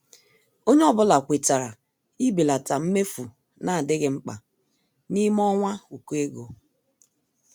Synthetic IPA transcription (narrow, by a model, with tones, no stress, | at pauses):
o˦ɲe˦ɔ˦bʊ˦la˨kʷe˨ta˨ɾa˨ | i˦be˨la˨ta˨m̩˦me˦fu˨ | na˦˨a˨dɪ˦ɣɪ˦ŋ͡m̩˦k͡pa̰˨ | ni˦m˦ɔ˦ŋʷa˦u˨ku˦e˦ɡo˨